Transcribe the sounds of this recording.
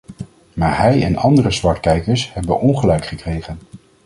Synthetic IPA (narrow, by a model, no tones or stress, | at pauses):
maːɹɦɛjɛ̰nɑndərəzʋɑɹtkɛjkəɹshɛbənʔɔnχəlɛɥkχəkrejχən